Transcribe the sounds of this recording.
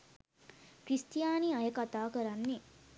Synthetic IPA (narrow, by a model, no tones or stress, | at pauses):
kɾisʈijaːniajəkat̪aːkəɾanːi